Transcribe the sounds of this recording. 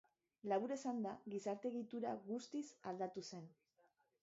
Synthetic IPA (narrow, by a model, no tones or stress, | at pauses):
laβuɾe̞sand̪aɣisaɾt̪eɣit̪uɾa̰ɣust̪isald̪at̪use̞n